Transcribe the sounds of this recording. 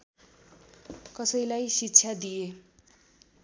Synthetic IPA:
kʌsʌjlajsitːɕʰjad̪ije

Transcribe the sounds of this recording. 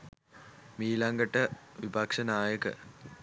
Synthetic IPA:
miːlaŋɡəʈəʋibakʂənaːjəkə̰

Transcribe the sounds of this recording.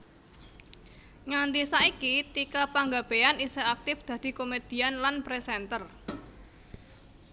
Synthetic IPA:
ŋand̪isaikit̪ikapaŋɡab̥eaniseak̚t̪ɪfd̪̥ä̤d̪̥i̤komed̪̥i̤anlanpɾesɛnt̪ər

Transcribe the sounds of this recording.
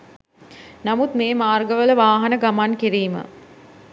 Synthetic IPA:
namut̪meːmaːrɡəʋələʋaːɦɐnəɡamankiɾiːmə̰

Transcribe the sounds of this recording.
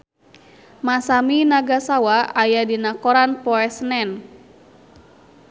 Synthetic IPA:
masaminaɡasawaajadinakɔɾanpɔɛsnɛn

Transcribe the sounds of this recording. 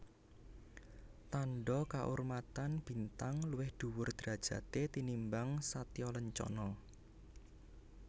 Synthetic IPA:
t̪anɖɔkaʔurmat̪anb̥i̤nt̪aŋluwɪhd̪̥ṳwʊrd̪̥ɾa̤d̥ʒ̥ä̤t̪et̪inimbaŋsat̪ijɔləɲt͡ʃɔ̰nɔ

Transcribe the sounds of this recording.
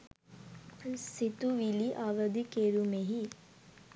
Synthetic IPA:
sit̪uʋiliʔaːʋɐd̪ikeɾumeɦi

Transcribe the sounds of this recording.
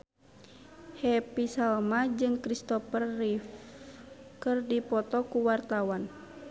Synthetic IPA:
hɛpisalmad͡ʒɨŋkɾist̪ɔpərːif | kɨrdipɔt̪ɔkuwart̪awan

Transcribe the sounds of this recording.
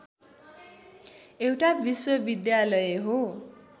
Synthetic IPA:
ewʈabʱiswʌbid̪jalʌjeɦo

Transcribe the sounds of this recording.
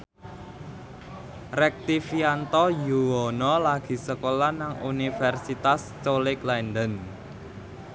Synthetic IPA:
rɛk̚t̪ifiant̪ɔjuwɔnɔlaɡ̥i̤səkolanaŋṵnifɛrsit̪as | t͡ʃolɪklajnɖ̪ən

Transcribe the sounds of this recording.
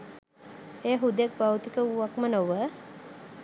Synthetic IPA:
eːɦud̪ak̚bawt̪ikəuʋakmənoʋə

